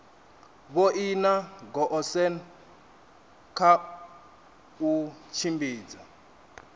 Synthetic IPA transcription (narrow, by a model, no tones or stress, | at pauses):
βoʔinaɡɔʔɔsɛn | kʰa | ut͡ʃʰimbiːd͡za